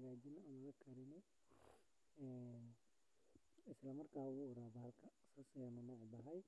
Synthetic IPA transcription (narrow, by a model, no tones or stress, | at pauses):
ɐɣaːd͡ʒɪnɐmɐɣɐkʰɐɾɪnɛ | ɛːn | ɪslɐmɐrkʰaːʊɣʊʊɾaːbɐɦɐlkʰɐsʊsɪjɐnʊnɔːʕbɐɦɐj